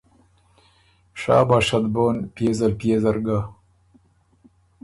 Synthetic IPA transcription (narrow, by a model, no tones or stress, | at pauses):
ʂɑ̰ːbɑːʂad̪boːnpeːzalpjezɐɾɡa